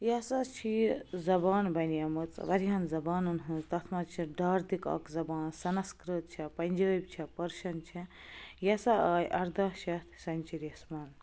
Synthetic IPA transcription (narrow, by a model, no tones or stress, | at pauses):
jɐsat͡ʃʰizɐbaːnbɐnjɐmɨt͡sʋɐɾiɦɐnzɐbaːnɐnɦɨnzt̪ɐt̪ʰmɐt͡ʃʰiɖaːɾd̪ikɐ̰kzɐbaːnsɐnɐskɾɨt̪̚t͡ʃʰipɐnʲd͡ʒɐːjbʲt͡ʃʰipɐɾʃɐnt͡ʃʰi | jɐsaɐːjʔɐɾd̪ɐʃɐt̪ʰsɐnʲt͡ʃiɾɐsmɐn